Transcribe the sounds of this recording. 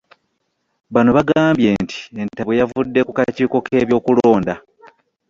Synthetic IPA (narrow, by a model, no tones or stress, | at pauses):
βano̞βaɡaːmbje̞ːntʰi̥e̞ntaβwejavudːe̞kukaciːko̞kʰe̞ːβjo̞ːkulo̞ːnda